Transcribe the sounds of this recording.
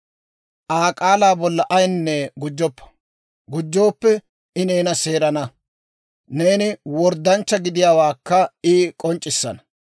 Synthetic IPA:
ʔaːkʼaːlaːbɔlːɐʔɐjnːɛɡʊd͡ʒːɔpːɐ̥ | ɡʊd͡ʒːo̞ːpːɛ | ɪneːnɐse̞ːɾɐnɐ | ne̞ːnɪwɔɾd̪ːɐnt͡ʃːɐɡɪd̪ɪjaːwaːkːɐiːkʼɔnt͡ʃʼːɪsːɐ̰nɐ̥

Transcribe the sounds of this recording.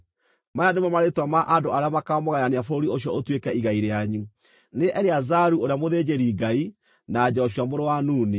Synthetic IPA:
majademamaɾetwamaʔandoaɾeamakaɔmɔɣaɾaneafoɾioɕjɔotwekɛiɣaiɾeaɲu | neʔɛɾeazaɾuoɾeamoðed͡ʑeɾiɡai | nad͡ʑɔɔɕ̬jamoɾowanuːne

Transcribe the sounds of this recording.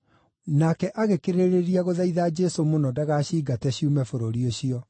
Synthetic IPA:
nakɛʔaɣekeɾeɾeɾiaɣoðaiðaːd͡ʒɛsomonɔdaɣaːɕiːɡatɛɕiumɛfoɾoɾioɕiɔ

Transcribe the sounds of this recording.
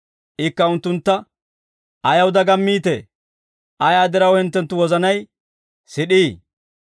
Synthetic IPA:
ʔɪkːɐʊnt̪ːʊnt̪ːɐ | ʔɐjɐwd̪ɐɡɐmːiːt̪ḛ | ʔɐjaːd̪ɛɾɐwhɪnt̪ːɛnt̪ːʊwɔzɐnɐj | sɪɗiː

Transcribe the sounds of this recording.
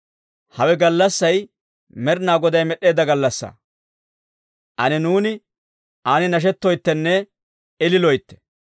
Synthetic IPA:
hɐwɛɡɐlːɐsːɐj | mɛɾnaːɡɔd̪ɐjmɛɗe̞ːd̪ɐɡɐlːɐsːa̰ː | ʔɐnɛnuːnɪ | ʔaːnɪnɐʃ̬ɛt̪ːɔjt̪ːɛnːɛ | ɪlɪlɔjt̪ːɛ̥

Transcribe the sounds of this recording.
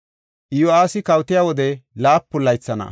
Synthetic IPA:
ʔɪjoaːsɪkɐwt̪ɪjawɔd̪ɛlaːpːʊlːɐjt͡sːɐnɐ̰

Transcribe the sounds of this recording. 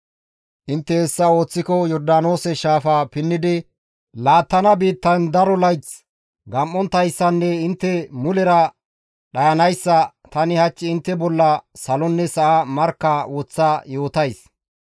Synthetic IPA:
ʔɪnt̪ːɛɛsːɐo̞ːt͡sːɪkɔjɔɾd̪ano̞ːsɛʃaːfapɪnːɪd̪ɪ | laːt̪ːɐnɐbiːt̪ːɐnd̪ɐɾɔlɐjt͡s | ɡɐmʔːɔnt̪ːɐjsːɐnːɛɪnt̪ːɛmʊlɛɾɐ | ɗɐjɐnɐjsːɐ | t̪ɐnɪhɐt͡ʃːɪɪnt̪ːɛbɔlːɐsɐlɔnːɛsɐʔamɐɾkːɐwɔt͡sːajo̞ːt̪ɐjs

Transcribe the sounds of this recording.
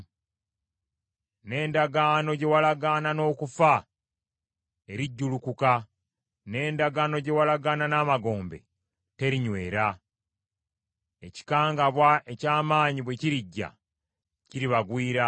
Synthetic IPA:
ne̞ːndaɡaːno̞ɟe̞walaɡanano̞ːkufa | e̞ɾiɟːulukuka | ne̞ːndaɡaːno̞ɟe̞walaɡananaːmaɡo̞ːmbe̞̰ | te̞ɾiɲwe̞ːɾa | e̞ci̥kaːŋɡaβwae̞caːmaːɲiβwe̞ciɾiɟːa̰ | ciɾiβaɡwiːɾa

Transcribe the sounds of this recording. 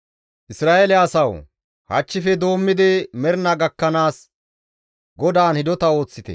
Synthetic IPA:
ʔɪsɾaːelɛɐsɐw | hɐ̰t͡ʃːɪfɛd̪o̞ːmːɪd̪ɪmɛɾnɐɡɐkːɐnaːs | ɡɔd̪aːnhɪd̪ɔt̪ɐo̞ːt͡sːɪt̪ɛ̰

